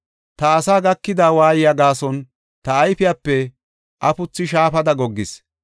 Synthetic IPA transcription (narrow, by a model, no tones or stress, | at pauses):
t̪ɐːsaːɡɐkːɪd̪aːwaːjɪjaɡaːsɔn | t̪ɐːjfɪjapːɛ | ʔɐpʊt͡sːɪʃ̬aːfɐd̪ɐɡɔɡːɪs